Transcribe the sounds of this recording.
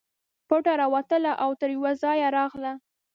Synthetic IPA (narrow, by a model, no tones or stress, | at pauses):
poʈaɾɑwat̪əlaʔawt̪əɾjwazɑjaɾɑɣla